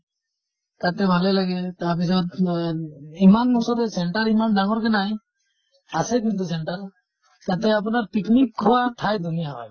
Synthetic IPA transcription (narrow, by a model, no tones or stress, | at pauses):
t̪at̪ɛbʱalɛlaɡɛt̪aɾpis̬ɔt̪̚ | imanmɔsɔɾɛsɛɳʈaɾimanɖaŋɔɾkɛnaj | asɛk̬int̪usɛɳʈaɾ | t̪at̪ɛapɔnaɾpiknikʰːɔwatʰajd̪ʱunijaɦɔ̰j